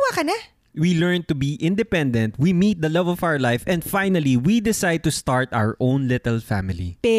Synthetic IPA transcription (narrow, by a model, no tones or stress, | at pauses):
waːkɐna | wilɛɹn̚t̪ʊbiʔɪ̃nd̪ɛpɛ̃nd̪ɛ̃nt̪̚wimiːt̪̚d̪ɐlɛvlɔfawə˞lajfɛ̃nd̪fajnɐliwid̪ɪsajd̪̚t̪ust̪aɹt̪ʔa̰wə˞ʔõʊ̃nlɪt̪ɛlfæ̰mɪlḭ